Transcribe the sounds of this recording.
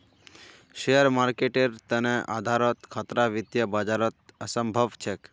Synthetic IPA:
ʃejəɾmaɾkeʈeɾt̪əneʔa̰d̪ʱaɾɔt̪kʰat̪ɾaʋit̪jəbad͡ʒaɾɔt̪̚əsəmbʱəʋt͡ʃʰek

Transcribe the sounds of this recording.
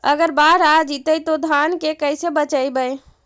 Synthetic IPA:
ə̰ɡəɾbaɾad͡ʒit̪əjt̪od̪ʱankekəjsebət͡ʃəjbəj

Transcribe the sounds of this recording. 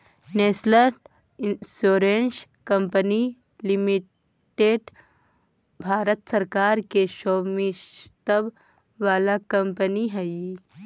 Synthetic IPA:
neːsləɾʈ | soːɾens | kɐ̃mpəni | lɪmɪ | ʈeːɖ | bʱaːɾət̪sɐɾkaːɾkeʃoːmiʃt̪əb | ʋaːlakɐ̃mpəniɦɛi

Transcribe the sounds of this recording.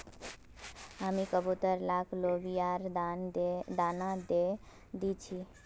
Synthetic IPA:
amikəbut̪əɾlaklobijaɾ | d̪anad̪e | d̪it͡ʃʰi

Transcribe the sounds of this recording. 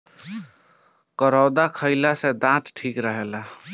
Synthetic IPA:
kəɾɔːd̪akʰəɪlased̪ãt̪ʈʰiːkɾəɦela

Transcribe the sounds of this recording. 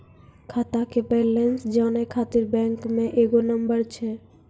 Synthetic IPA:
kʰat̪akebɛlensd͡ʑɔnekʰat̪iɾbɛŋkmeʔeɡonʌmbəɾt͡ɕʰe

